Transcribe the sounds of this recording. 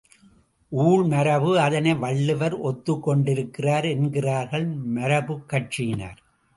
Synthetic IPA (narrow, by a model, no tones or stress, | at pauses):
ʔuːɭnɐɾɐʋɯɐðɐnɐɪʋɐɭːɯʋɐɾɔt̪ːɯkːɔɳɖɪɾɯkːɪraːɾɛnɡɪraːɾɣɐɭmɐɾɐbɯkːɐʈ̚t͡ʃɪjna̰ːɾ